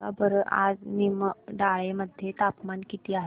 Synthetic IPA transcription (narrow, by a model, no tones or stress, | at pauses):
abəɾəʔa̰d͡zniməɖaɭeməd̪ʱjet̪apmankit̪iːaɦ